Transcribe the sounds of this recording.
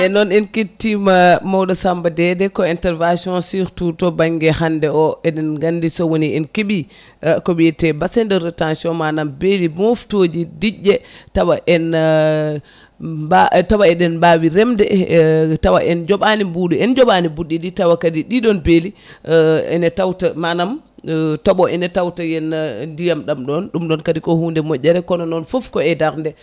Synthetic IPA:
ʔɛnɔnɛnketːimamawɗɔsambadɛdɛkɔɛntɛɾvasiɔ̃nsiɾtutɔbaŋɡɛhandɛɔɛɗɛnɡandisɔwoniʔɛnkeɓi | kɔbɛjɛtɛbasɛndɔɾɛtãnsiɔmanambelimoftod͡ʒidiɟːɛtawaʔɛn | batawaɛɗɛnbawiɾɛmdɛtawaʔɛnd͡ʒɔɓanibuɗuɛnd͡ʒɔɓanibuɗːiditawakadiɗiɗɔnbeli | ɛ̰nɛtawtamanam | tɔɓɔʔɛnɛtawtajɛnndijamɗamɗɔnɗumɗɔnkadikɔhuːndɛmɔʔːɛɾɛkɔnɔnɔnfofkɔɛdaɾndɛ

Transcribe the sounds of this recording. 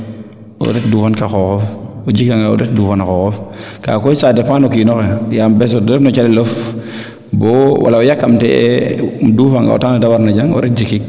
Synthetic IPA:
ɔ̰ɾɛt̚duːfankaxɔxɔfod͡ʒikaŋao̰ɾɛt̚duːfanaxɔːxɔfka̰ːkojsadefanokinɔxɛjambɛs̬odɾfnɔt͡ʃalɛlof | bɔwʔa̰laɔjakːamtɛ̰ | duːfaŋa̰o̰taŋadawaɾnaɟaŋɔ̰ɾɛt̚d͡ʒikik̚

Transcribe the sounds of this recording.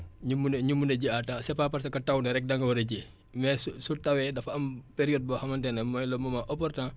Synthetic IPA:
ɲumːunɲumːunɐɟiatãsɛpaːpɐrsɐkɐtɐwnɐɾɛk̚dɐŋɡɐwɐɾɐɟi | mɛsusutɐwɛdɐfɐmpeɾijɔd̚bɔhɐmɐntɛnɐmɔjlɔmɔmaʔɔpɔrtã

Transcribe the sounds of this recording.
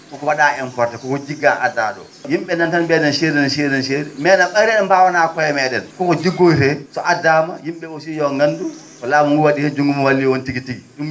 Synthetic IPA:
kɔkɔwaɗaːɛnfɔɾtɛkɔkɔd͡ʒiɡːanadaɗɔ̰ | jimɓɛnantanbɛdɛnʃeːɾinʃeːɾnɛnʃeɾɛmɛnaɓaɾɛɛmbawanakɔjɛmɛɗɛnkɔkɔd͡ʒiɡːofɛsɔʔadamajimɓɛosijɔŋɡandu | kɔlaːmuŋɡuwaɗihɛd͡ʒuŋɡumɔwalːiwontiɡitiɡiɗum

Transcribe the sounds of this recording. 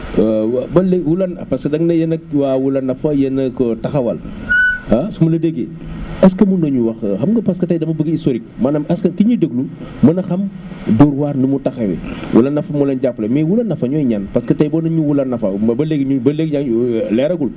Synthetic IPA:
bɐlewulɐnpɐskɐdɐŋnɐjɐnɐk̚waːwulɐnːɐfɐjɐnɐkɔtɐxɐwɐ̰l | ɐsumɐlɐdeɡe | ɐskɐmundɐɲuwɐxxɐmɡəpɐskɐtɐjdɐmɐbəɡistoɾik̚maːnɐmɐskɐkiɲidəɡlu | mɐnɐxɐm | duɾwaːrnumutɐxɐwɛ̰wṵlɐnːɐfɐmulɐnɟapːlɐmiwulɐnɐfɐɲɔːjɲanpɐskɐtɐjbɔːnɐɲuwulɐnːɐfɐbɐleɡɲubɐleɡ̚ɲalɛɾɐɡul

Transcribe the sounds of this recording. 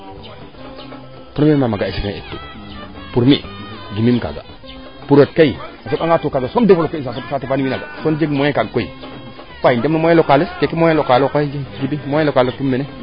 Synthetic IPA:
puɾmimamaɡaisiknḛḛtːṵ | puɾmḭɡimimka̰ɡa̰ | puɾot̚kaiasebaŋatukaɡasondefolokːeisasapsatifaniwinaɡa̰sond͡ʒeɡmoẽkaɡkoḭ | kaindemnumojẽlokaleskekimoelokalokod͡ʒeɡibimoelokaletumːene

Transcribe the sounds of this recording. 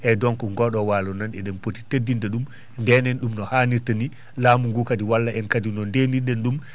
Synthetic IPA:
ʔɛdɔŋkɔŋɡɔɗɔwaːlɔnanɛɗɛmpoti̥tedːindɛɗum | ndɛnɛnɗumnɔhaːniɾtani | laːmuŋɡukadiwalːaʔɛnkadinɔndeniɗɛnɗum

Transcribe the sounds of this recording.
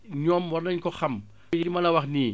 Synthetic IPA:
ɲɔːmwɔrnɐɲkɔxɐm | jidimɐlɐwɐxniː

